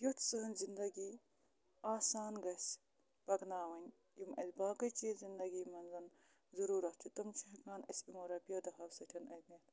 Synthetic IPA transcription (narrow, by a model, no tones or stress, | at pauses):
juʈʰsɨːnzind̪ɐɡiː | aːsaːnɡɐsʲ | b̥ɐɡnaːʋɐnʲ | jimɐ̰zʲbaːkɐt͡ʃizind̪ɐɡiːmɐnzɐn | zɐɾuːɾɐt̪ʰit̪ɐmt͡ʃʰiɦɐkaːnɐsʲimoːɾɐpijɐd̪ɐɦɐwsɐtʲʰɐnɐ̰jʲmet̪ʰ